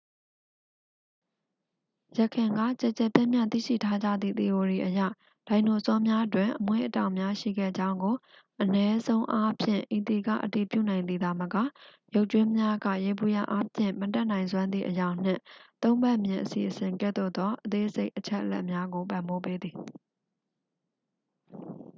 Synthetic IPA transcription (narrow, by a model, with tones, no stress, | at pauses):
jə˨kʰɪ̃˨ŋɡa̰˦˨t͡ɕɛ˨t͡ɕɛ˦˨pjɛ˦˨mjã˦˨t̪ḭ˦˨ʃḭ˦˨tʰa˦d͡ʑä̰˦˨d̪ðḭ˦˨t̪e˨o˨ɾi˨ʔəjä̰˦˨ | l̥ã˨ɪ̃no˨əsɔ˦mja˦twɪ̃˨ʔəmwḛ˦˨ʔətã˨ʊ̃mja˦ʃḭ˦˨ɡɛ̰˦˨d͡ʑã˦ʊ̃ŋɡo˨ | ʔənɛ˦zõ˦ʊ̃ʔa˦pʰjɪ̰̃˦˨ʔi˨t̪i˨ɡä̰˦˨ʔəti˨pjṵ˦˨nã˨ɪ̃nd̪ði˨d̪a˨məka̰˦˨jo˦ʊʔt͡ɕwɪ̃˦mja˦ɡä̰˦˨je˨bu˦˨ja̰˦˨ʔa˦pʰjɪ̰̃˦˨mətɛ˦ʔnã˨ɪ̃nzwã˦nd̪ðḭ˨ʔəjã˨ʊ̃n̥ɪ̰̃˦˨t̪õ˦ʊ̃mbɛ˦ʔmjɪ̃˨ʔəsḭ˨ʔəsɪ̃˨ŋkɛ̰˦˨d̪o̰˦˨d̪ðɔ˦ʔət̪e˦ʔz̥e˦ɪʔət͡ɕʰɛ˦ʔəlɛ̰˦ʔmja˦ɡo˨pã˨mbo˦pe˦d̪ði˨